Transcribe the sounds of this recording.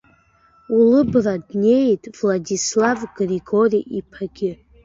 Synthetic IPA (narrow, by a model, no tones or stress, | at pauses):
ulɨbradne̞jtʼvladislavɡriɡo̞riʔipʰaɡ̥ʲɪ